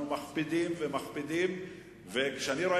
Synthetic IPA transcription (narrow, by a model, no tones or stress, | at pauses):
umaχpid̪imvemaχpid̪im | vekʃeaniɾo